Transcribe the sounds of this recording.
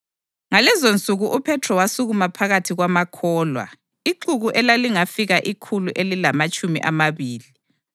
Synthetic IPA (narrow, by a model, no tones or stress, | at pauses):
ŋalɛzont͡sʼuɣuʔupʰɛtʰrɔwasuɣumapʰaɣatʰiɣwamakʰɔːlwa̰ | iǃuɣuʔɛlaliŋafiɣaʔikʰuluʔelilamat͡ʃʼumḭʔa̰maβiːli